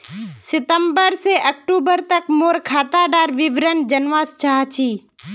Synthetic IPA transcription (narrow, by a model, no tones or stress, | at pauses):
sɪt̪əmbəɾseʔək̚ʈuːbəɾt̪əkmoːɾkʰaːt̪aːɖaːɾʋɪʋɾənd͡ʒənʋaːst͡ʃaːt͡ʃiː